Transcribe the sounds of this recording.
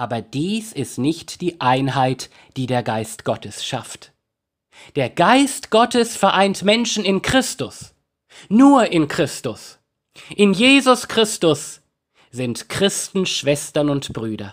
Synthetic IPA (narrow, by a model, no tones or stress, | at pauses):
ʔaːbɐd̥iːsɪstnɪçtd̥iːʔaɪnɦaɪt | d̥iːdeːɐɡaɪstɡ̥ɔtʰəsʃa̰ft | d̥eːɐɡaɪstɡ̥ɔtəsfɛɐʔaɪntmɛnʃn̩ɪnkʁ̥ɪstʊs | nuːɐʔɪnkʁ̥ɪstʊs | ʔɪnjeːzʊskʁ̥ɪstʊs | z̥ɪntkʁ̥ɪstn̩ʃv̥ɛstɐnʊntb̥ʁyːdɐ̰